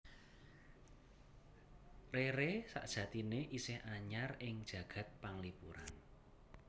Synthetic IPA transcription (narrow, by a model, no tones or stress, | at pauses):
reɾesa̰ʔd̥ʒ̥ä̤t̪ineʔisɪhʔaɲarɪŋd̥ʒ̥ä̤ɡ̥ä̤t̪̚paŋlipṵɾa̰n